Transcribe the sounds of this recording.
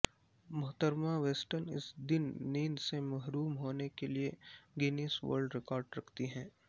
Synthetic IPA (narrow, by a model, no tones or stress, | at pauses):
mɐɦt̪əɾmaʋeːsʈəɾnɪ̰sd̪ɪnːiːnsemɐɦɾuːmɦoːnekelieɡenisʋə̰ːɾɖɾɪkɔːɾɖɾɐkʰt̪iɦɛ̃ː